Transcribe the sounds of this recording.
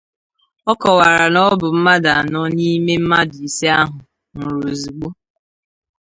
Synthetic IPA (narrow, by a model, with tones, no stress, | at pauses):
ɔ˦kɔ˨wa˨ɾa˨nɔ˦bʊ˨m̩˦ma˦da˨a˨nɔ˦ni˦me˦m̩˦ma˦di˨se˦a˦ɦʊ˨ | n̩˨ɾu˨zi˨ɡ͡bo˦